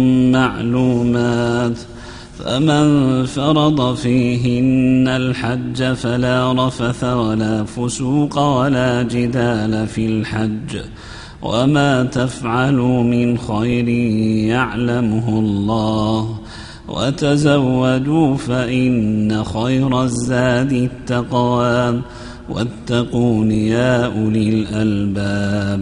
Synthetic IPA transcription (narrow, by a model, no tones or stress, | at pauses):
maʕluːmaːt̪ | fa̰manfɑɾˤɑd̪ˤɑfiːɦɪnːalħad͡ʒːafalaːɾˤɑfaθawalaːfʊsuːqɑwalaːd͡ʒɪd̪aːlafilħad͡ʒː | wa̰maːt̪afʕalʊmɪnxajɾɪjaʕlamʊɦʊlˤːɑːh | wa̰t̪azawːad̪uːfaʔɪnːaxajɾˤɑzːaːd̪ɪt̪ːɑqwaːm | wa̰t̪ːɑquːnɪjaːʔʊlɪlʔalbaːb